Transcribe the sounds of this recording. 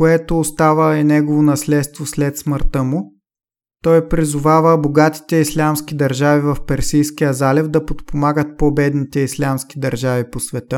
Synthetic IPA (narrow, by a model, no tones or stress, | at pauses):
koɛt̪oːst̪avəɛnɛɡovonɐslɛt̪st̪voslɛt̪sməɾt̪əmʊ | t̪ɔjpɾizʊvavəboɡat̪i̥t̪ɛislʲamsk̟id̪ɐɾʒavivɐfpɛɾsijskijəzalɛvd̪ɐpot̪pomaɡət̪̚pobɛd̪nit̪ɛislʲamski̥d̪ɐɾʒaviposvɛt̪ə